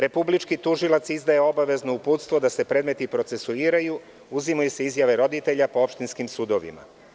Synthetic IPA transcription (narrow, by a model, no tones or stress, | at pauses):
ɾe̞publit͡ʃkit̪uʒilat̪sizd̪aje̞o̞baʋe̞znoupuːt̪st̪ʋo̞d̪ase̞pɾe̞ːd̪me̞t̪ipɾot̪se̞suiːɾaju | uzimajuseizjaʋe̞ɾo̞d̪it̪eʎapo̞opʃt̪inskimsud̪oʋḭma̰